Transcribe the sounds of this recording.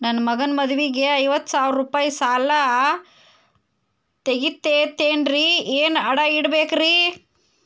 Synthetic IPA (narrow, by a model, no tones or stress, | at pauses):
nɐnːmɐɡɐnmɐd̪uʋiɡe̞ɐjʋɐt̪ːsaːʋɾɾupaːjsaːlɐ | t̪eɡit̪ːet̪eːnɾieːnɐɽɐiɽbeːkɾi